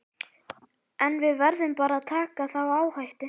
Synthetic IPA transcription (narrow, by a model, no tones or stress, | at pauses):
ɛnvɪðvɛɾðʏmpaːɾaðt̪ʰaːkaθawaːwhajht̪ɪ